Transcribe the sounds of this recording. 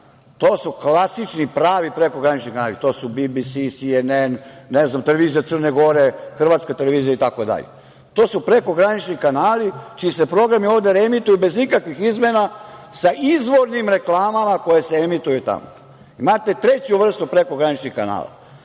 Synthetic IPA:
t̪o̞ːsuklasit͡ʃnipɾaːʋipɾeko̞ɡɾanit͡ʃnikanaːlit̪o̞ːsubibisisienenneznamt̪e̞le̞ʋiːzijat̪sərneɡo̞ɾe̞xr̩ʋaːt̪skat̪e̞le̞ʋiːzijait̪ako̞d̪a̰ʎḛ | t̪o̞ːsupɾe̞ko̞ɡɾanit͡ʃnikanaːlit͡ʃiisepɾo̞ɡɾamio̞ːʋd̪eɾemit̪ujube̞zikakʋixizmenasaʔizʋo̞ɾnimɾe̞klˠaːmamako̞jeseemit̪ujut̪a̰mo | imat̪e̞t̪ɾe̞t͡ɕuʋr̩st̪upɾe̞ko̞ɡɾanit͡ʃnixkana̰ːla̰

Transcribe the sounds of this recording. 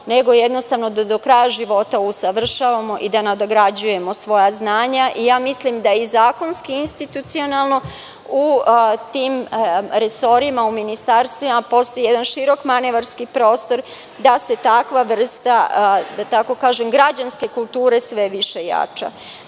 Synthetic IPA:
ne̞ɡo̞jed̪no̞st̪aʋnod̪d̪okɾajaʒiʋo̞t̪ausaʋr̩ʃaʋamo̞ʔid̪anad̪oɡɾad͡ʑuje̞mo̞sʋo̞jaznaːɲaʔijaːmislimd̪aizaːko̞nskiinst̪it̪ut̪sio̞nalˠno̞ | ut̪iːmɾeso̞ɾimauminist̪aɾst̪ʋimapo̞st̪o̞jijed̪anʃiɾo̞kmaneʋaɾskipɾo̞ːst̪o̞ɾ | d̪ase̞t̪akʋaʋr̩st̪ad̪at̪ako̞kaːʒemɡɾad͡ʑanske̞kulˠt̪uːɾe̞sʋe̞ʋiʃe̞ja̰t͡ʃa̰

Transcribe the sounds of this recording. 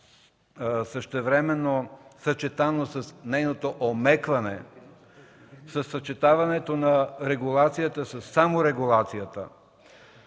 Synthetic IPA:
səʃt̪ɛvɾɛmɛnːosɐt͡ʃɛt̪anosɐsnɛjnot̪oʔomɛkvɐnɛ̰ | sɐsːət͡ʃɛt̪avɐnɛt̪onɐɾɛɡulˠat̪sijət̪əsəsːamoɾɛɡulˠat̪sijət̪ə̰

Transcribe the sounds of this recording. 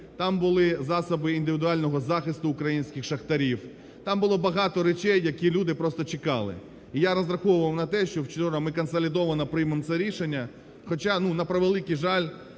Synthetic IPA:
t̪ɑmbʊlˠɪzɑsɔbɪind̪ɪʋʲɪd̪ʊɑlʲnɔɦɔzɑxɪst̪ʊʊkɾɐjinʲsʲkʲɪxʃɐxt̪ɐɾʲiw | t̪ɑmbʊlˠɔbɐɦɑt̪ɔɾet͡ʃɛjːɐkʲilʲud̪ɪpɾɔst̪ɔt͡ʃɪkɑ̰lˠɪ̰ | ijaɾɐzɾɐxɔʋʊʋɐwnɐt̪ɛʃt͡ʃɔwt͡ʃɔɾɐmɪkɐnsɐlʲɪd̪ɔʋɐnɐpɾɪjmemt̪sɛɾʲiʃenʲːɐ | xɔt͡ʃanunɐpɾɐʋelˠɪkijʒɑlʲ

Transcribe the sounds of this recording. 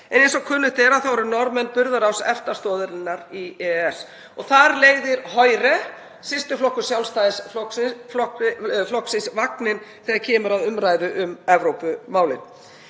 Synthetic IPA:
ɛnejnsɔkʰʏnːʏht̪ɛɾaθawɛɾʏɾnɔɾmɛnpʏɾðaɾawsɛft̪ast̪ɔːðʏɾɪnːaɾiɛɛs | ɔɣθaɾleːɣðɪɾɦɔjɾɛ | sɪst̪ʏflɔhkːʏ̥sjawlst̪ajsflɔksɔflɔksɪnsvaknɪnθɛːɣaɾcʰɛːmʏɾaðʏmɾaːjðʏʔʏmɛvɾowpʏmaːwlɪ̰n

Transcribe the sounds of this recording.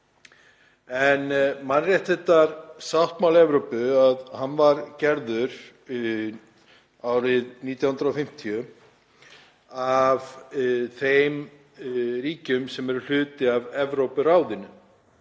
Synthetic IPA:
ɛnmanrjɛjht̪θɛht̪ːaɾsawht̪mawlɛvɾowpʏaðhanːvaɾcɛɾðʏɾ | awɾɪðniːt̪jahnd̪ɾafɪm̥t̪ʰijʏ | avθejm | ɾiːcʏmsɛmɛɾʏl̥ʏːt̪ɪavɛvɾowpʏɾaːwðɪnʏ

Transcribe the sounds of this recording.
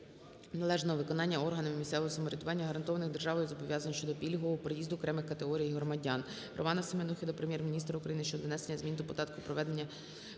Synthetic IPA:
nɐlˠɛʒnɔɔʋɪkɔnɑnʲːɐɔrɦɐnɐmɪmʲist̪ɛʋɔɦɔsɐmɔɾʲɐd̪ʊʋɑnʲːɐɦɐɾɐnt̪ɔʋɐnɪɣd̪erʒɑʋɔjʊzɔbɔʋʲjɑzɐnɔʃt͡ʃɔd̪ɔpʲilʲɦɔɔɔpɾejizd̪ʊːkɾɛmɪxkɐt̪eɦɔɾʲijiɦɾɔmɐdʲɑn | ɾɔ̰mɑnɐsɪmenuxʲid̪ʊpɾemʲjɛrmʲinʲist̪ɾɐukɾɐjinɪʃt͡ʃɔd̪ʋnɛsenʲːɐzmʲint̪ʊpɔd̪ɑt̪kʊpɾɔʋɛd̪e̞nʲːɐ

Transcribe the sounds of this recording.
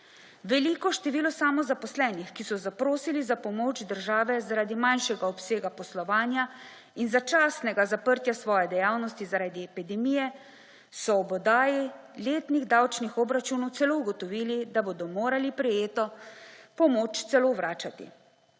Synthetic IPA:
ʋɛliːkɔʃt̪ɛʋiːlɔsaːmɔzapɔslɛːnixkisɔzapɾoːsilizapɔmoːd͡ʒd̪əɾʒaːʋɛzaɾaːd̪imanʃɛɡaɔpseːɡapɔslɔʋaːnja | inzat͡ʃaːsnɛɡazapəɾt̪jasʋɔːjɛd̪ɛjaːwnɔst̪izaɾaːd̪iɛpid̪ɛmiːjɛ | sɔːbɔd̪aːjileːt̪niɣd̪awt͡ʃnixɔbɾat͡ʃunɔwt̪sɛlouɡɔt̪ɔʋiːlid̪aboːd̪ɔmoːɾalipɾɛjeːt̪ɔpɔmoːt͡ʃt̪sɛloʋɾaːt͡ʃat̪ḭ

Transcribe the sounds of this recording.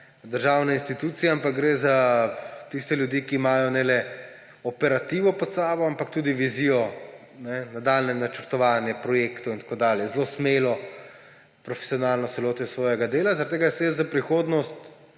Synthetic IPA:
d̪əɾʒaːwnɛinst̪it̪uːt̪sijɛampakɡɾezat̪ist̪ɛljud̪iːkiːmaːjɔnɛlɛ | ɔpɛɾat̪iːʋɔpɔt̪saːbɔampak̚t̪uːd̪iʋizijɔ | nɛnad̪aːlnɛmnat͡ʃəɾt̪ɔʋaːnjɛpɾɔjeːkt̪ɔint̪ḁkoːd̪aːljɛzlosmeːlɔ | pɾɔfɛ̥sijɔnaːlnɔt̪sɛloːt̪ɛsʋɔːjɛɡad̪eːlazaɾat̪ːeːɡasɛzapɾixoːd̪nɔst̪

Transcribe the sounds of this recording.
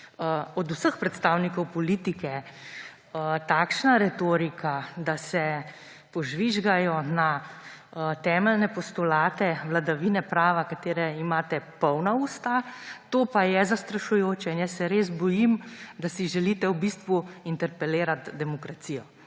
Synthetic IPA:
ɔd̪usəxpɾɛt̪st̪aːwnikɔwpɔlit̪ikɛ | t̪aːkʃnaɾɛt̪oːɾikad̪asɛ | pɔʒʋiʒɡajɔna | t̪ɛːmɛlnɛpɔst̪ɔlaːt̪ɛʋlad̪aʋinɛpɾaːʋakat̪eːɾɛimaːt̪ɛpɔwnauːst̪at̪oːpajɛzast̪ɾaʃujoːt͡ʃɛinjɛsːɛɾeːz̬bɔjimd̪asiʒɛliːt̪ɛwbist̪ʋuint̪ɛɾpɛleːɾat̪d̪ɛmɔkɾasiːjɔ

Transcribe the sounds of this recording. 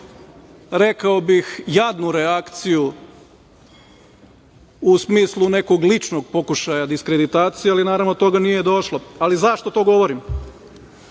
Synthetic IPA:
ɾe̞kaobixjad̪nuɾeakt̪siju | usmiːslˠune̞ko̞ɡlit͡ʃno̞ɡ̚po̞kuʃajad̪iskɾed̪it̪aːt̪sijealinaːɾaʋnot̪o̞ɡanijed̪o̞ʃlˠoalizaʃt̪o̞t̪o̞ːɡo̞ʋoɾim

